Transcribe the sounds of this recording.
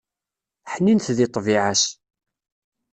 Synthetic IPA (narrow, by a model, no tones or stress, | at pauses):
ħninθðɪt̪ˤːviʕas